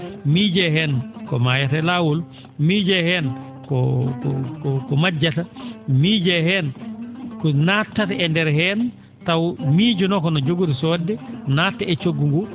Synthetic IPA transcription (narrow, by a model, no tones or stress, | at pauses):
miːd͡ʒɛhɛnkɔmajatɛlawul | mid͡ʒɛhɛn | kɔkɔkɔkɔmad͡ʒatamid͡ʒɛhɛnkɔnatːataɛndɛɾhɛn | tawmiːd͡ʒunɔkɔnɔd͡ʒoɡuɾisɔdːɛnatːɛɛt͡ʃoɡːuŋɡu